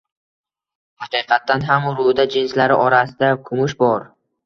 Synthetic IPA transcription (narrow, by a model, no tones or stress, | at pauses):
hɑqʰɨːqʰɑt̪ːanɦamʊɾʊd̪ad͡ʒɪnslaɾɪʔɒɾasɪd̪akʰʊmʊʃbɒɾ